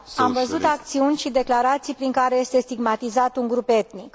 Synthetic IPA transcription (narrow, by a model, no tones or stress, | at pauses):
amvəzut̪ak̚t̪siunʲʃid̪e̞klaɾat̪sijpɾiŋkaɾe̞je̞st̪e̞st̪iɡmat̪izat̪uŋɡɾupe̞t̪nik